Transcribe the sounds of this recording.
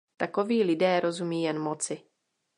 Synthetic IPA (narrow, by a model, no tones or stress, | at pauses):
t̪akoviːlɪdɛːɾʔo̞zumiːjɛnmot͡sɪ